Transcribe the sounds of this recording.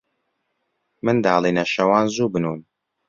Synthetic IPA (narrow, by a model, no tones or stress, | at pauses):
mɨnd̪aːlˠinɐʃɐwaːnzuːbɨnuːn